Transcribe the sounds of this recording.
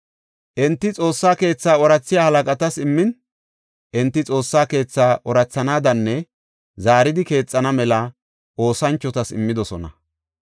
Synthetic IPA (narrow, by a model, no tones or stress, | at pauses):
ʔɛnt̪ːɪt͡sʼo̞ːsːaːke̞ːt͡sːaːɔɾɐt͡sːɪjaːhɐlɐkʼɐt̪ɐsɪmːɪn | ʔɪnt̪ːɪt͡sʼo̞ːsːaːke̞ːt͡sːaːʔɔɾɐt͡sːɐnaːd̪ɐnːɛ | zaːɾɪd̪ɪke̞ːt͡sʼːɐnɐmɛlɐ | ʔo̞ːsɐnt͡ʃːɔt̪ɐsɪ̰mːɪd̪ɔsɔnɐ̰